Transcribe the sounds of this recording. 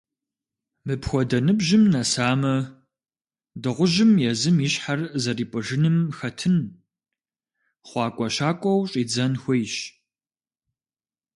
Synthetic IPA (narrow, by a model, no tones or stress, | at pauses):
mɨpxʷɔdɐnɨbʒɪmnɐsaːmɐ | dɨʁʷʊʒɪmjɛzɨmiɕħarzɐriːpʼɨʒɨnɨmxɐtʰɨn | χʷɑːkʷʼɔɕaːkʷʼɐwɕʼiːd͡zɐnxʷejɕ